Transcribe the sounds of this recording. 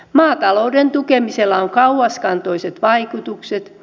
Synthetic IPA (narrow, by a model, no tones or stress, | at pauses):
mɑːt̪ɑloudent̪ukemiselːɑoŋkɑuɑskɑnt̪oiset̪ʋɑikut̪ukset̪